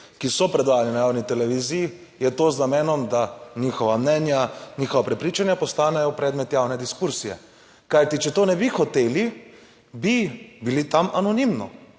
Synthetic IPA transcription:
kisɔpɾɛd̪ʋaːjalinajawnit̪ɛlɛʋiːziji | jɛt̪oːznamɛːnɔmd̪anixɔʋamnɛnjanixɔʋapɾɛpɾiːt͡ʃanjapɔst̪aːnɛjɔpɾɛːd̪mɛt̪jawnɛd̪iskuɾsijɛ̰ | kajt̪it͡ʃɛt̪oːnɛbixɔt̪eːli | bibilit̪amanɔnimnɔ̰

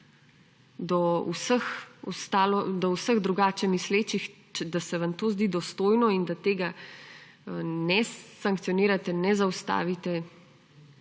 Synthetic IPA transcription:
d̪ɔṵsəxɔst̪aːlɔd̪ɔwsəɣd̪ɾuɡaːt͡ʃɛmisleːt͡ʃixt͡ʃɛd̪asɛʋant̪oːzd̪iːd̪ɔst̪oːjnɔind̪at̪eːɡa | nɛsaŋkt̪sijɔniːɾat̪ɛnɛzawst̪a̰ːʋit̪ɛ

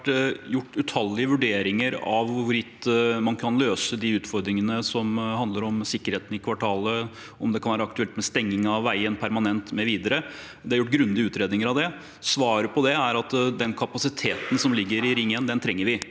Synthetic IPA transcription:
jʊʈːʉt̪ʰɑlːɪəʋʉɖeːɾɪŋəɾɑʋʋʊɾɪt̪ːmɑnkʰɑnløːsəd̪ɪʉːt̪fɔɾd̪ɾɪŋənəsɔmhɑnd̪ləɾɔmsɪkːəɾeːt̪n̩ɪkʰʋɑʈʰɑːlə | ɔmd̪ɛkʰɑnʋæːɾɑɑk̚t̪ʉɛlt̪mɛst̪ɛŋːɪŋɑʋːæɪənpʰæɾmɑnɛnt̪mɛʋiːd̪əɾə | d̪ɛhɑɾjʊʈːɡɾʉnd̪ɪəʉːt̪ɾeːd̪ɪŋəɾɑʋd̪ɛ | sʋɑːɾəpʰɔd̪ɛæɾɑt̪d̪ɛnkʰɑpɑsɪt̪ʰeːt̪ən̩sɔmlɪɡːəɾɪɾɪŋːənd̪ɛnt̪ʰɾɛŋːəɾʋɪ

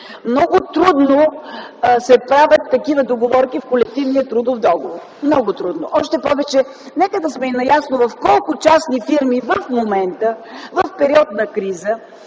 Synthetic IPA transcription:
mnɔɡʊt̪ɾud̪no | sɛpɾavʲət̪ːɐkivəd̪oɡovɔɾkifkolɛk̚t̪ivniət̪ɾud̪ofd̪ɔɡovoɾ | mnɔɡʊt̪ɾud̪no̰ʔɔʃt̪ɛpɔvɛt͡ʃɛ | nɛkəd̪ɐsmɛinɐjasnovɐfkɔlˠkʊt͡ʃasnifiɾmivɐfmomɛnt̪əvɐfpɛɾiɔt̪nɐkɾizə

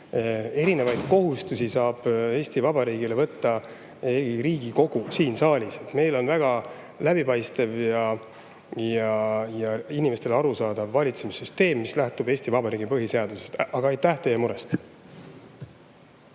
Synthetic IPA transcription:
e̞ɾine̞vɑjd̪̥ko̞ɦust̪usisɑːb̥e̞ːsʲt̪ivɑbɑɾiːɡ̥ile̞vɤt̪ːɑ | eɡiɾiːɡ̥iko̞ɡ̥usiːnsɑːlʲiset̪me̞jlo̞nvæɡ̥ɑ | læb̥ipɑjst̪evjɑ | jɑjɑinimest̪e̞lɑɾusɑːd̪̥ɑvːɑlʲit̪semisːyst̪e̞ːmːislæht̪ube̞ːsʲt̪ivɑbɑɾiːɡ̥ipɤɦise̞ɑd̪use̞st̪ɑɡ̥ɑɑjt̪ːˑæht̪e̞jːemuɾe̞st̪

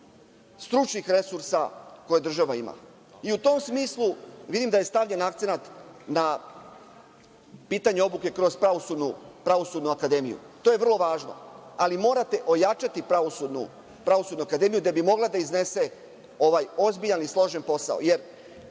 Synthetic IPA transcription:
st̪ɾut͡ʃnixɾe̞suɾsako̞jed̪r̩ʒaʋaima̰ | iut̪o̞msmiːslˠuʋid̪imd̪aje̞st̪aʋʎenakt̪se̞nat̪na | piːt̪aɲeo̞buke̞kɾo̞zpɾaʋosud̪nupɾaʋo̞suːd̪nuakad̪e̞mijṵ | t̪o̞ːje̞ʋr̩lˠo̞ʋaːʒno̰alimo̞ːɾat̪e̞ʔo̞jat͡ʃat̪ipɾaʋosud̪nṵ | pɾaʋo̞sud̪nuakad̪e̞mijud̪ebimo̞ɡlˠad̪aizne̞se̞ | o̞ʋajo̞zbiʎanislˠo̞ʒenpo̞sa̰o̰je̞ɾ

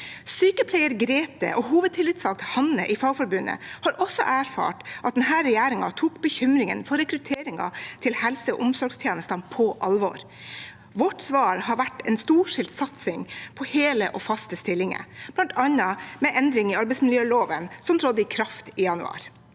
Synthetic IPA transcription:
syːkəpʰlɛɪəɾɡɾeːt̪ə̰ʔɔhuːʋəd̪̚t̪ʰɪlɪt̪sʋɑlk̚t̪hɑnəʔɪfɑːɡfɔɾbʉnːə̰hɑɾʔɔsɔ̰ʔæːɾfɑ̰ːʈʔɑt̪̚d̪nhæːɾɛjæːɾɪŋɑ̰t̪ʰuːkbəçʏmɾɪŋənfɔɾɛkɾʉt̪ʰeːɾɪŋɑ̰t̪ʰɪlhɛlsəɔ̰ʔʊmsɔɾɡst̪ʰjeːnəst̪ɑnpʰɔʔɑlʋɔ̰ɾ | ʋɔʈːsʋɑːɾhɑɾʋæʈːɛnst̪uːʂɪlt̪sɑt̪sɪŋpʰɔheːlə̰ʔɔfɑst̪əst̪ɪlːɪŋə̰b̥lɑnt̪ɑnɑmɛʔɛnd̪ɾɪŋɪɑɾbɛɪsmɪljøːloːʋənsɔmt̪ʰɾɔd̪ːəɪkʰɾɑft̪ijɑnʉ̰ɑ̰ːɾ

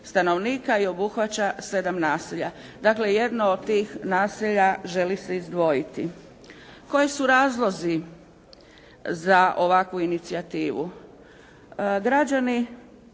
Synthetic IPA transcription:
st̪ano̞ʋniːkaio̞buxʋat͡ɕase̞d̪amnaːsiʎa | d̪akle̞je̞d̪nood̪̚t̪iːxnaːsiʎaʒe̞lise̞izd̪ʋo̞jit̪ḭ | ko̞jisuɾaːzlˠo̞zi | zaʔo̞ʋakʋuinit̪siat̪iːʋṵ | ɡɾad͡ʑani

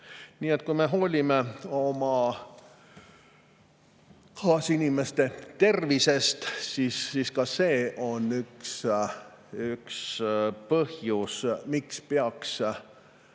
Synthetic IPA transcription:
niːe̞t̪kuimeɦo̞ːlʲime̞o̞mɑ | kɑːsinime̞st̪e̞t̪e̞rvise̞st̪sisiskɑse̞ːʔo̞nːyks | ykspɤhjusmikspeɑks

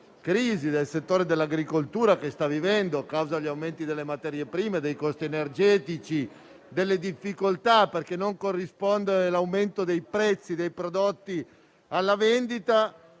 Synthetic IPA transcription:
kɾiːzid̪elset̪ːoːɾed̪elːaɡɾikolt̪uːɾakest̪avivɛnd̪okawzaʎːawment̪id̪elːemat̪ɛɾjepɾiːmed̪ejkɔst̪ienerd͡ʒɛːt̪it͡ʃi | d̪elːed̪ifːikolt̪aperkenːoŋkorːispond̪eɾelawment̪od̪ejpɾɛt̪sːid̪ejpɾod̪ot̪ːi | alːavend̪it̪a

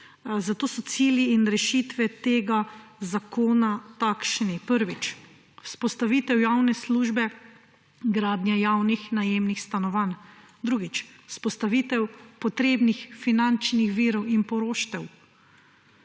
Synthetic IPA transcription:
zat̪oːsɔt̪siːljiːnɾɛʃit̪ʋɛt̪eɡazakoːnat̪akʃnipəɾʋit͡ʃ | spɔst̪aʋiːt̪ɛwjawnɛsluːʒbɛ | ɡɾaːd̪nʲjajawnixnajeːmnixst̪anɔʋan | d̪ɾuːɡit͡ʃspɔst̪aʋiːt̪ɛwpɔt̪ɾeːbnixfinant͡ʃnixʋiːɾɔwinpɔɾoːʃt̪ɛw

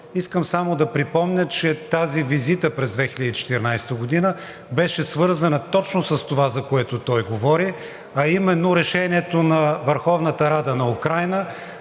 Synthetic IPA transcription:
iskəmsamod̪ɐpɾipɔmnʲət͡ʃɛt̪azivizit̪əpɾɛzd̪vɛxilʲəd̪it͡ʃɛ̥t̪ɛɾnajst̪əɡod̪inə | bɛʃɛsvɤɾzɐnət̪ɔt͡ʃnosɐst̪ovazɐkoɛt̪ot̪ɔjɡovɔɾi | ɐimɛnːoɾɛʃɛniɛt̪onɐvəɾxɔvnət̪əɾad̪ənɐukɾajnə

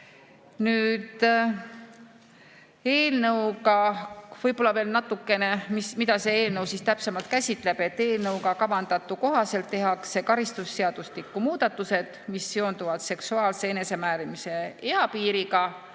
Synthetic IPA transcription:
nyːd̪̥ | e̞ːlnɤwkɑvɤjb̥o̞lːɑve̞ːlnɑt̪ːˑukːˑe̞ne̞mismid̪ɑse̞e̞ːlnɤwsiːst̪æpse̞mɑlt̪̚kæsʲit̪ˑle̞b̥e̞t̪ːe̞ːlnɤwɡɑkɑvɑnd̪ɑt̪ːˑuko̞ɦɑse̞lt̪ːe̞ɦɑkse̞kɑɾist̪usːeɑd̪̥ust̪ikːˑumuːd̪̥ɑt̪ːˑuse̞d̪̥misːeo̞nd̪uvɑd̪̥se̞ksuɑːlse̞ene̞se̞mæːɾimise̞e̞ɑpiːɾiɡɑ

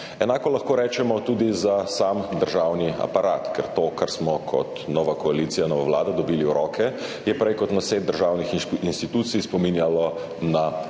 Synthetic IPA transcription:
ɛnaːkɔlɐxkoːɾɛːt͡ʃɛmɔt̪ud̪izasamd̪əɾʒawnia̰paɾʔaːt̪kɛ̰ɾt̪oːkaɾsmɔkʰɔ̰t̪nɔːʋakɔaliːt̪sijanɔːʋaʋlaːd̪ad̪ɔbiːliuɾɔkɛjɛpɾɛjkɔt̪naseːt̪d̪d̪əɾʒawnixinst̪it̪uːt̪sijspɔminjalɔ | na

